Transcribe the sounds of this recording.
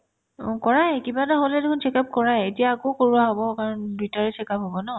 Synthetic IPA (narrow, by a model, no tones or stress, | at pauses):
kɔɹajkibataɦolɛdekʰunsɛkap̚kɔɹajetijaːkokoɹuaɦobɔkaɹɔnditaɹɛsʰɛkapɦobɔnɔ